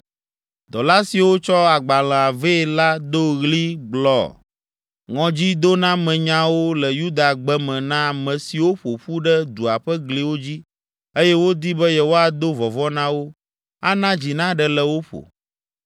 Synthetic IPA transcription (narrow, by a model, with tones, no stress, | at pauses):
d̪ɔ˨la˦si˨wo˦t͡ʃɔ˦a˨ɡ͡ba˨l̃ɛ̃˨a˨ve˦˨la˦d̪o˦ɣli˦ɡ͡blɔ̰˨ | ŋɔ̃˨d͡ʑi˦d̪o˦nã˦mɛ̃˨ɲã˦wo˦lɛ˨ju˦d̪a˨ɡ͡bɛ˦mɛ̃˨nã˦˨mɛ̃˨si˨wo˦ɸo˨ɸu˦ɖɛ˦d̪u˨a˨ɸɛ˦ɡli˨wo˦d͡ʑi˦ | e˦jɛ˦wo˦d̪i˦bɛ˦jɛ˦wo˦a˨d̪o˦vɔ˨vɔ˦nã˦wo˦ | a˦nã˦d͡ʑi˨nã˦ɖɛ˨lɛ˨wo˦ɸo̰˨